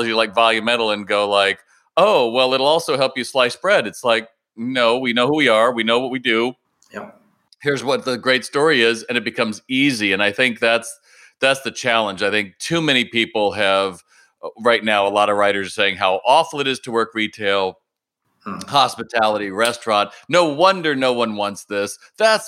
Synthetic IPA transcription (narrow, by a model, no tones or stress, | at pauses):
əd͡ʒɨlaɪkvɑlˠjɨmɛ̃ɾ̃l̩ˠə̃nɡoʊlaɪk | oʊwɛlˠɪɾl̩ˠɔlˠsoʊɦɛlˠpjɨslaɪsb̥ɹɛɾɨtslaɪk̚ | noʊwinoʊhuwiə˞winoʊwʌt̚widʉ | hɪɹzwʌt̪̚ðɨɡɹeɪtstɔɹiɪzɨ̃nɨt̚b̥ɨkʰʌ̃mziziɨ̃naɪθɪ̃ŋk̚ðæts | ðætsðɨt͡ʃʰælˠə̃nd͡ʒaɪθɪ̃ŋk̚tʰʉmɛñipipl̩ˠɨv | ɹaɪtⁿnaʊəlɑɾəɹaɪɾə˞z̥seɪɪ̃ŋɦaʊʔɔfl̩ˠɨɾɨz̥tʰəwɜ˞kɹitʰeɪlˠ | hɑspɨtʰælˠəɾiɹɛstɹ̥ɑ̃nnoʊwʌ̃ndə˞noʊwʌ̃nwɑ̃ntsðɪs | ðæts